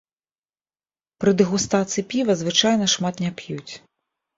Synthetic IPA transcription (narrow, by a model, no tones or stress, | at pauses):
pɾɨd̪ɨɣust̪at̪sɨɨjːpʲivɐzvɨt͡ʂajnɐʂmat̪nʲapjut͡sʲ